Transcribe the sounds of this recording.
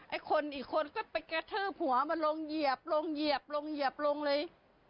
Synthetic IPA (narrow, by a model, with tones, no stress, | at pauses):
ʔa˧˩jkʰo˧nʔiː˨˩kʰːo˧nkɔː˥˩pa˧jka˧t̪ʰɤː˥˩p̚hu˩˦ɐma˧nlo˧ŋji˨˩əp̚lo˧ŋji˨˩əp̚lo˧ŋji˨˩əp̚lo˧ŋlɤː˧j